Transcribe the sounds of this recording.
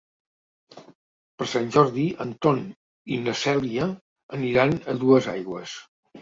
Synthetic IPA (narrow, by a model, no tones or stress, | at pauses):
pəɾsanʲʒɔɾðiənt̪on | inəsɛlˠiə | əniɾanəðuəza̰jɣwəs